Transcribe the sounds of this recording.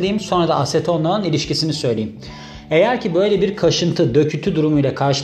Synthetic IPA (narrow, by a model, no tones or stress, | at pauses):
d̪ijimso̞nɾad̪aaset̪ʰo̞nlˠanɯnilʲiʃcisinisø̞jlʲeim | e̞jæɾcʰibø̞jlʲebiɾkʰaʃɯnt̪ʰɯd̪ø̞cʰyt̪ʰyd̪uɾumujlʲˠakʰaɾʃɯ